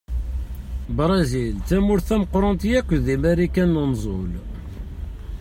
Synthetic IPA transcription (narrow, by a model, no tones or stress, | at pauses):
bɾˤɑzilt͡sæmʊɾθæməqːɾˤɑnt̪jækʷːðimæɾikænːənzˤol